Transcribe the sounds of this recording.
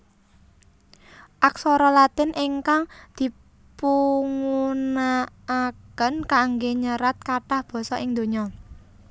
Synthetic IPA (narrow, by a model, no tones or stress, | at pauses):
ʔaksɔɾɔlat̪ɪnʔɪŋkaŋd̪̥i̤ | puŋunaː | kənkaŋɡeɲəɾat̪̚kaʈahb̥ɔ̤sɔʔɪŋd̪o̤ɲɔ